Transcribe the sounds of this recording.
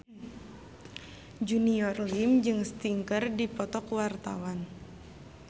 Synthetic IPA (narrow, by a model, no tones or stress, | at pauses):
d͡ʒuniɔrlimd͡ʒɨŋst̪iŋkərdipɔt̪ɔkwart̪a̰wan